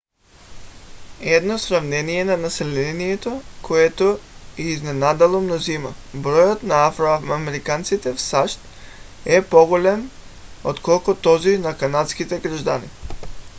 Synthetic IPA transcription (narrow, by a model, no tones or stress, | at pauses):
ɛd̪nosɾavnɛnijɛnanasɛlɛniɛt̪okʰoɛt̪oiiznɛnad̪ɛlˠomnozimabɾɔjot̪naafɾoaamɛɾikant̪sit̪ɛfsaʃt̪̚ | ɛpɔɡolɛmot̪kɔlˠkut̪ɔzinakanat̪skit̪ɛɡɾaʒd̪anḭ